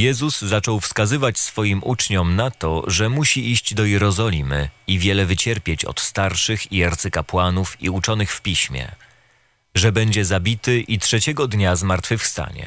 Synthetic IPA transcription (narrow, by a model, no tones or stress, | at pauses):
jɛzuzːat͡ʂɔwfskazɘvat͡ɕsfɔjimʔut͡ʂɲɔmnat̪ɔ̰ʐɛmuɕiiɕd͡ʑd̪ɔjɛɾɔzɔlʲimɘ̰ivʲjɛlɛvɘt͡ɕɛɾpʲjet͡ɕɔ̰t̪st̪aɾʂɘxiaɾt̪sɛkapwanufḭut͡ʂɔnɘxfpʲiɕmʲjɛ̰ | ʐɛbɛɲd͡ʑɛzabʲit̪ɘʔitʂɛt͡ɕɛɡɔd̪ɲazmaɾt̪fɘfst̪a̰ɲɛ̰